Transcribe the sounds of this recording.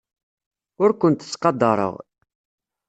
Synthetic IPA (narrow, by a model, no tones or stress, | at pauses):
ʊɾkʷʊnt̪ə̥t͡sːqɑd̪ːɑɾˤə̰ʁ